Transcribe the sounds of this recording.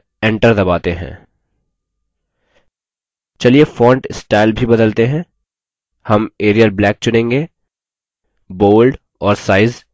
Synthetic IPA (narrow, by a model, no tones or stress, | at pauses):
ɛ̃ːɳʈəɾd̪ɐbaːt̪eɦɛ̰̃ː | t͡ʃɐliefɔ̃ːɳʈsʈaːɪlbʱibɐd̪əlt̪eɦɛ̃ | hɐmeːɾijəlblɛːk̚t͡ʃʊnẽːŋɡeː | boːlɖ | ɔːɾsaːɪz